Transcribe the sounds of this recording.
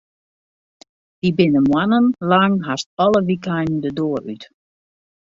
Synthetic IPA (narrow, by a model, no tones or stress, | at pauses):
d̥ibɪnəmwanənlaŋɦastɔlˠəʋikajndədoːryt